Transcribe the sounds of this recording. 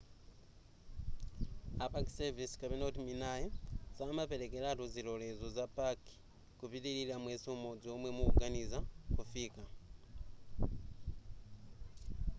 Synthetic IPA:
apaki̥sevisi̥kaβenotiminajizamape̞ɾekelatuzilolezozapaki̥ | kupiɾililamwesomod͡zomwemuuɡanizakufika

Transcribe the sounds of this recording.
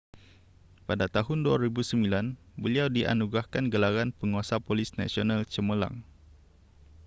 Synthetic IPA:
padat̪aɦʊnduaɾibusəmilanbəliawdiʔa̰nuɡɾahkanɡəlaɾanpəŋuasapolisna̰sionalt͡ʃəməla̰ŋ

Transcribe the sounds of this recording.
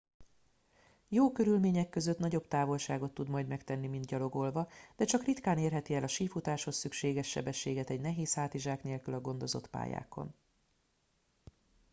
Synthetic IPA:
joːkø̞ɾylmeːɲɛkːø̞zø̞t̪nɒɟo̞bt̪aːvo̞lʃaːɡo̞t̪ːud̪mɒjd̪mɛkt̪ɛnːimind̪ɟɒlo̞ɡo̞lvɒd̪̥ɛt͡ʃɒkrit̪kaːneːrɦɛt̪iɛlɒʃiːfut̪aːʃho̞sːykʃeːɡɛʃːɛ̰bɛʃːeːɡɛt̪ɛɟnɛɦeːshaːt̪iʒaːkneːlkylɒɡo̞nd̪o̞zo̞̰t̪pa̰ːja̰ːko̞̰n

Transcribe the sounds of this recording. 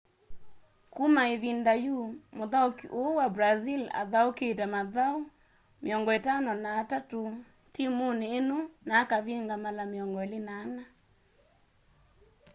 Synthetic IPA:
kumaeðindajumoðaokḭʔowabɾazila̰ðaoket̬ɛmaðao | meɔŋɡɔetanɔnaːtato | timoneːnonaːkaβeŋɡamalameɔŋɡɔelenaːna

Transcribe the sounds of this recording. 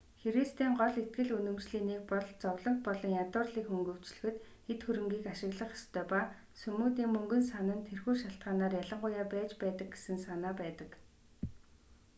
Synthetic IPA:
xeɾist̪iːŋɢɔɮet̪̚ɡɘ̆ɮɵnɵ̆mt͡ɕɮiːniːk̚pɔɮt͡sɔwɮɞ̆ŋt̪̚pɔɮɞ̆ŋjat̪ʊːrɮiːkɵŋɡɵ̆w̥t͡ɕɮɵ̥̆xɘ̆t̪ | xet̪xɵɾɘ̆ŋɡiːkaʃɪ̆ɣɮə̆χɔ̥st̪ʰœːpa | sɵmuːt̪iːŋmɵŋɡɵ̆nsanə̆nt̪ʰerxuːʃaɬt̪ɢaːnaːrjaɮə̆ɴɢʊjaːpæːt͡ɕpæːt̪ə̆k̚ɡe̥sɘ̆nsanaːpæːt̪ə̆k

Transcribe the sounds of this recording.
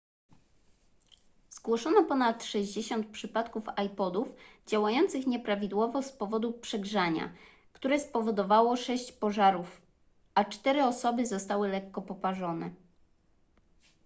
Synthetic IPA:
z̥ɡwɔʂɔnɔpɔnat̪ʂɛʑd͡ʑeɕɔnt̪̚pʂɘpat̪kufajpɔd̪ufd͡ʑawajɔnt̪sɘxɲɛpɾavʲid̪wɔvɔspɔvɔd̪upʂɛɡʐaɲa̰ | kt̪uɾɛspɔvɔd̪ɔvawɔʂɛɕt͡ɕpɔʐaɾuf | ʔat͡ʂt̪ɛɾɘɔsɔbɘzɔst̪awɘlɛkːɔpɔpaʐɔnɛ

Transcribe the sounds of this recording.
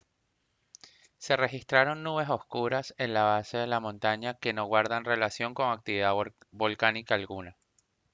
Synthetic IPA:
se̞re̞xist̪ɾaɾo̞nnuβe̞so̞skuɾase̞nlaβase̞ð̞e̞lamõ̞nt̪aɲake̞no̞ɣwaɾðanre̞lasjo̞ŋko̞ŋak̚t̪iβiða | bo̞lkanikaːlɣuna

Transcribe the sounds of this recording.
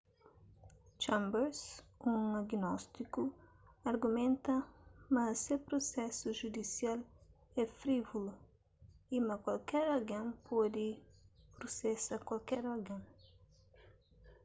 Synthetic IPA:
t͡ʃãmbɛɾsũaɡinɔst̪ikuaɾɡumẽnt̪ɐmɐsepɾosɛsuʒud̪isial | ɛfɾivulu | imɐkwalkɛɾalɡẽpʰɔd̪ɪpɾusɛsɐkwalkɛɾɔɾɡẽ

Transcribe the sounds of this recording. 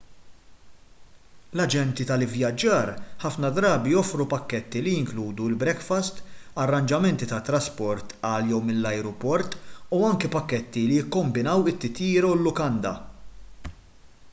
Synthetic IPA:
lɐd͡ʒɛnt̪it̪ɐlɪvjɐd͡ʒːɐːɾħɐfnɐd̪ɾɐːbijɔfɾupɐkːɛt̪ːilijɪŋkluːd̪uɪlbɾɛkfɐst̪ɐrːɐnd͡ʒɐmɛnt̪it̪ɐt̪ːɾɐspɔɾt̪ɐːljɔwmɪnlːɐjɾɔpɔɾt̪uɐŋkɛpɐkːɛt̪ːilijɪkːɔmbɪnɐwɪt̪ːɪt̪jiːɾɐwɪlːʊkɐnd̪ɐ̰

